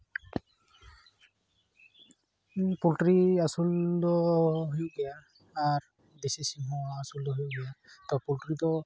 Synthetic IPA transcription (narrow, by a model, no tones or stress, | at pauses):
pultɹiasuldɔɦujʊɡɛjaː | ɹ | desisiɦɔaasuldɔɦujʊɡɛjatɔpultɹitɔ